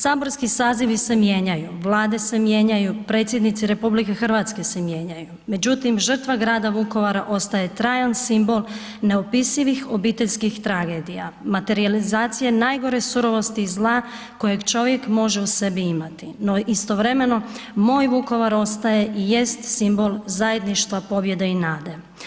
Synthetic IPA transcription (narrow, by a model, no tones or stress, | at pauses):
saːbo̞ɾskisaːziʋise̞mje̞ɲajuʋlˠaːd̪e̞se̞mje̞ɲajupɾe̞ːt̪sje̞d̪nit̪siɾe̞publike̞xr̩ʋat̪ske̞se̞mje̞ːɲajume̞d͡ʑut̪imʒər̩t̪ʋaɡɾaːd̪aʋuko̞ʋaɾaʔo̞st̪aje̞t̪ɾaːjansimbo̞l | ne̞opisiʋixo̞biːt̪eʎʲskixt̪ɾaɡe̞d̪ija̰mat̪e̞ɾializaːt̪sije̞naːjɡo̞ɾe̞suɾo̞ʋo̞st̪iːzlˠaː | ko̞je̞ɡt͡ʃo̞ʋje̞kmo̞ʒe̞use̞biimat̪ino̞ʔist̪o̞ʋɾe̞me̞no̞mo̞ːjʋuko̞ʋaɾo̞st̪aje̞ʔije̞st̪simbo̞lˠzaje̞d̪niʃt̪ʋapo̞bje̞d̪e̞inaːd̪e̞